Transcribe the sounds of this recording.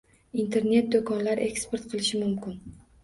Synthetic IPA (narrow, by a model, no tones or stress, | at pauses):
int̪ʰe̞ɾne̞t̪̚d̪okʰɒnlaɾʔe̞kspe̞ɾt̪qʰɨlˠɪʃɪmʊmkʲɪn